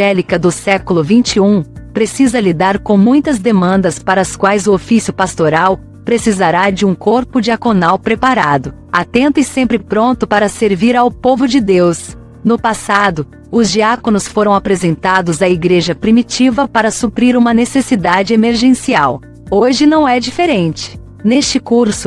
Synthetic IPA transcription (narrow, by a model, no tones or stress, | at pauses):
ɛlikɐd̪ʊsɛkʊlʊvĩnt͡ʃɪũpɾesizɐlid̪aɾkõmũj̃t̪ɐzd̪emɐ̃nd̪ɐspaɾɐskwajzʊofisjʊpast̪oɾaw | pɾesizaɾad͡ʒɪũkoɾpʊd͡ʒiakonawpɾepaɾad̪ʊ | at̪ẽnt̪ʊɪsẽmpɾɪpɾõnt̪ʊpaɾɐseɾviɾawpovʊd͡ʒɪd̪ews | nʊpasad̪ʊ | ʊzd͡ʒiakonʊsfoɾɐ̃w̃apɾezẽnt̪ad̪ʊzɐiɡɾeʒɐpɾimit͡ʃivɐpaɾɐsupɾiɾũmɐnesesid̪ad͡ʒɪemeɾʒẽsiaw | oʒɪnɐ̃w̃ɛd͡ʒifeɾẽnt͡ʃɪ̥ | nest͡ʃɪkuɾsʊ̥